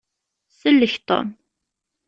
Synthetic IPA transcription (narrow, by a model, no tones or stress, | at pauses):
səlːəçt̪ˤo̰m